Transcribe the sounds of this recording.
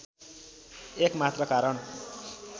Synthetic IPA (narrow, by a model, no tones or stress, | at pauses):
ekmat̪rʌkaɾʌɳ